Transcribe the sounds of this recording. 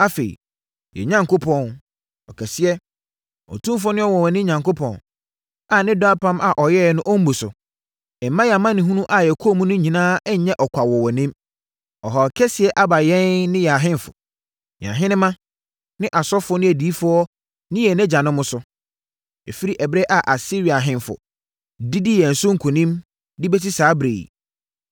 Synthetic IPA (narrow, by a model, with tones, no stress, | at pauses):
a˦fe˨ḭ˨ | jɛ̰˨ɲã˨˦ŋko˦pʰɔ̃˦˨n | ɔ˨kʰɛ˨sɪ˦ɛ˦ | ɔ̰˨tʰũ˦m˦f̬ʊ˦nɪ̃˦ɔ˦wɔ˨wɔ˨nɪ̃˦ɲã˨ŋko˦pʰɔ̃˨n | a˨nɪ̃˦dɔ˦a˦pʰã˦mʔa˨ʔɔ˨jɛ˦˨nʊ̃˦ʔɔ˦m̩˦bu˨sʊ̰˨ | ɛ˨m̩˨mːã˦jɛ˨a˨mã˦nɪ̃˨ɦũ˦nũ˦ʔa˨jɛ˨kʰo˦mũ˦nʊ̃˦ɲĩ˨nãː˦ɛ˦˨ɲɛ̃˦ʔɔ˨kʷʰa˨wɔ˨wnɪ̃˦m | ɔ˨ɦɔ˨kʰɛ˦sɪ˨ɛ˦ʔa˦ba˨jɛ̃˦nnɪ̃˦jɛ˨ɦɪ̃˦n˨fʊ̰˨ | ɲ˨ã̰˨ɦɪ̃˦nɪ̃˦mã˦ | nɪ̃˦ʔa˨sɔ˦fʊ˨˦ɔ˦nɪ̃˦æ˨diː˨˦fʊ˦ɔ˦ | nɪ̃˦jɛ˨nɛ̃˦d͡ʑã˨nʊ̃˦mːʊ̃˦sʊ˦ | e˨fi˦ɾi˦ʔɛ˨bɾe˦ʔa˨ʔa˨si˦ɾi˨a˨ɦɪ̃˦n˨fʊ̰˨ | di˦di˦jɛ˨n̩˨sʊ˦ŋ̩˨kʰũ˨nĩ˦m | dɪ˦bɛ˦ti˦saː˨˦bɾḛː˨j